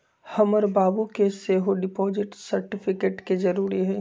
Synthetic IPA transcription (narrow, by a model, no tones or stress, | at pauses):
hɐmɔːɾbaːbukeseɦoɖɪpɔːzɪʈsɐɾʈɪfʰɪkeːʈkezɐɾuːɾiɦɛː